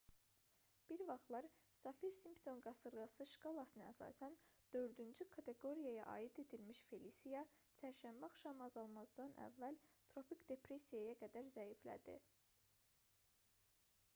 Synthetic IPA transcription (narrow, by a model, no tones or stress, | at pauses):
b̥iɾvɑχlˠɑɾsɑfiɾsimpso̞nɡɑsɯɾɡɑsɯʃkɑlˠɑsɯnɯæ̰sɑ̰ːsænd̪̥ø̞ɾd̪ynd͡ʒykʰɑt̪ʰe̞ɡo̞ɾijɑjɑ̰ʔɑ̰ːjid̪e̞d̪ilmiʃfe̞lisijɑ | t͡ʃʰæɾʃæmbæɑχʃɑmɑɑzɑlˠmɑzd̪ɑnʔæ̰vːælt̪ʰɾo̞pʰikd̪e̞pɾe̞sijajɑɡæd̪æɾzæjiflæ̰d̪ḭ